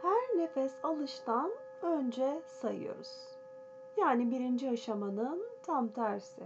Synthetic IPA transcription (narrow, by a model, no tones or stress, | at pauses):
hæɾnefɛsalˠɯʃt̪ʰan | ønd͡ʒɛsajɯ̰jo̞̰ɾuz̥ | jaːnibiɾind͡ʒiaʃamanɯnt̪ʰamt̪ʰæɾsɪ̰